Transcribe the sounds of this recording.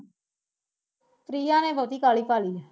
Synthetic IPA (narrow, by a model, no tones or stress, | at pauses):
tɾiːãːneːbʱoːt̪iːkaːliːpaːliː